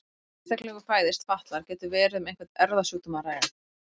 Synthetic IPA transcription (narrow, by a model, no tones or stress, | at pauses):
st̪aklɛɣʏpʰaːjðɪst̪faht̪laɾ̥cɛːt̪ʏvɛːɾɪðʏmejŋkvɛ̥t̪ɛɾðasjuːt̪ʏmaɾaːja